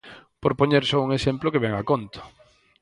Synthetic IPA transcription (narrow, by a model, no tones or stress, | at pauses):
poɾpoɲeɾsouŋesemplokeβɛŋakont̪ʊ̥